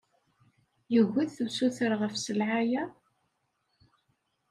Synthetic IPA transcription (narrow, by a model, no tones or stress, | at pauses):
jəɣːæðθəwsuθəɾʁəfsəlʕajæ